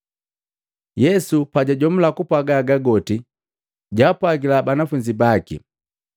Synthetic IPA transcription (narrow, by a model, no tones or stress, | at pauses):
jɛsupaɟaɟɔm̩lakupwaɡaɡaɡɔti | ɟapwaɡilabanafuɲd͡ʒibakḭ